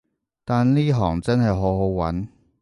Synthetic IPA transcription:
t̪aː˨nliː˥ɦɔː˨˩ŋt͡sɐ˥nɦɐ˨jɦo˨˥wɦo˨˥wwɐ̰˨˥n

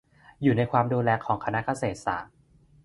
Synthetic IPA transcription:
juː˨˩na˧jkʰwaː˧mduː˧lɛː˧˩kʰːɔː˩˦ŋkʰa˧na˦˥ka˧seː˨˩t̪̚sa̰ː˩˦ŋ

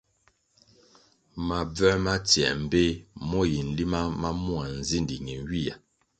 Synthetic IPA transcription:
ma˨b͡vɛ˦ma˦tjɛ̰˨m̩˨be˦mɔ˦ji˨n̩˨li˦ma˦ma˦mu˦a˨n̩˨zi˦ndi˨ŋi˨n˦wi˦˨ja˨

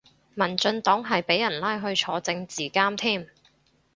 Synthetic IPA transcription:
mɐ˨˩nt͡sɵ˧nt̪ɔː˨˥ŋɦɐ˨jpe˨˥jɐ˨˩nlaː˥jɦɵ˧ɥt͡ʃʰɔː˨˧t͡sɪ˧ŋt͡siː˨˩kaː˥mt̪ʰiː˥˩m

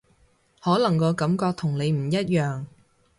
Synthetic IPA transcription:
hɔː˨˥lɐ˨˩ŋkɔː˧kɐ˨˥mkɔː˧k̚t̪ʰʊ˨˩ŋle˨˧jm̩˨˩jɐ˥t̚jœː˨ŋ

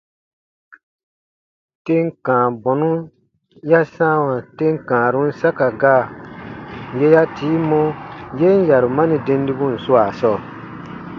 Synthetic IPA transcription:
te˦ŋ˦kãː˨bɔ̃˨nũ˦ | ja˦sã˦wã˨te˦ŋ˦kãː˨ɾũ˦n̩˦sa˦ka˨ɡaː˦˨ | je˦ja˦tiː˨˦mɔ̃˦je˦n˦ja˨ɾu˨mã˦nĩ˨dẽ˧n˦di˦bũ˦n̩˨su˦a˨sɔ˦˨

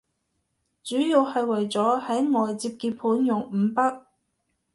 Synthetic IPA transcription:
t͡syː˨˥ji˧whɐ˧jwɐ˨˩jt͡sɔː˨˥hɐ˨˥jŋɔː˨jt͡siː˧p̚kiː˧pʰuː˨˥njʊ˨˩ŋm̩˨˧pɐ˥k̚

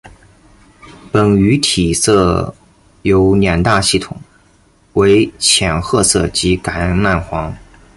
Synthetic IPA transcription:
pə˨˩ny˧˥t̪ʰi˨˩sɤ˥˩ | jo˧˥ʊnjɛ˨˩nt̪a˥˧ɕi˥˩t̪ʰʊ˨˩˦ŋ | we˧˥ɪt͡ɕʰjɛ˨˩nxɤ˥˧sɤ˥˩t͡ɕi˧˥ka˧˥ɪna˥˩nxwɑ˧˥ŋ

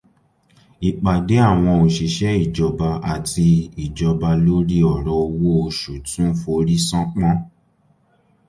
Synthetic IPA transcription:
i˨k͡pa˨de˨˦a˦˨w̃ɔ̃˧o˨ʃi˨ʃɛ˦i˦˨d͡ʒɔ˧ba˧a˨ti˧i˨d͡ʒɔ˧ba˧lo˦ɾi˦ɔ˨ɾɔ˧o˧wo˦o˧ʃu˨tũ˦fo˧˦ɾi˦sɔ̃˦k͡pɔ̃˦

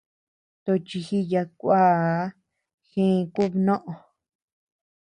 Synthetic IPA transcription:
t̪o˧t͡ʃi˧xi˦ja˧kʷa˦ | xĩ˦˧ku˦βnõ˦ʔõ˧

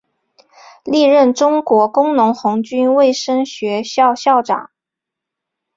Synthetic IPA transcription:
li˥˧ɻə˥˩nʈ͡ʂʊ˥ŋkwɔ˧˥kʊ˥ŋnʊ˧˥ŋxʊ˧˥ŋt͡ɕy˥nwe˥˩ɪʂə˥ŋɕɥɛ˧˥ɕɑ˥˧ʊɕjɑ˥˩ʊʈ͡ʂɑ̰˨˩˦ŋ

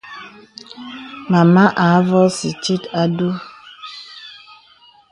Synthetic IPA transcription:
ma˨ma˦ʔa˨˦vɔ˦si˨t͡ʃi˦ta˦du˦

